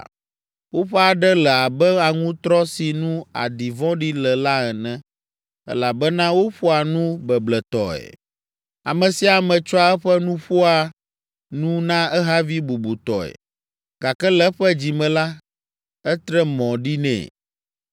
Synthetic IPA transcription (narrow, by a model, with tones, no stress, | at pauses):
wo˦ɸɛ˦a˨ɖɛ˦lɛ˨a˨bɛ˦a˨ŋũ˦t̪ɾɔ˦si˨nũ˦a̰˨di˨vɔ̃˦ɖi˦lɛ˨la˦ɛ˨nɛ̃˦ | ɛ̰˦la˨bɛ˦nã˦wo˦ɸo˦a˨nũ˦bɛ˨blɛ˨t̪ɔ˨ɛ̰˨ | a̰˨mɛ̃˨si˦a˨mɛ̃˨t͡ʃɔ˦a˦ɛ˦ɸɛ˦nũ˦ɸu˦a˨ | nũ˦nã˦ɛ˦ɦa˦vi˦bu˨bu˨t̪ɔ˨ɛ̰˨ | ɡ̥a˨kɛ˦lɛ˦ɸɛ˦d͡ʑi˨mɛ̃˨la˦ | ɛ˦t̪ɾɛ˦mɔ̃˨ɖi˦nɛ̰̃ː˨